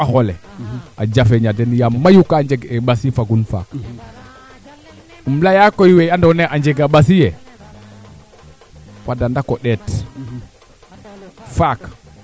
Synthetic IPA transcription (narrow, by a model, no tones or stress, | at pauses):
axolea̰d͡ʒafeɲadenjamajukaɲd͡ʒeɡebasifaɡunfa̰k | umlajakojiwejandoneʔaɲd͡ʒeɡaɓas̬ije | wadandakoɗɛt | fak